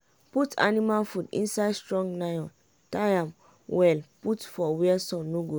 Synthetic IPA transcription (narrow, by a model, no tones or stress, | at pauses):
putʰa̰nimalfudḭ̃nsajdstɹɔ̃ŋɡnajɔ̃n | tajãm | wɛlputfɔwɛɛsɔ̃nːoɡo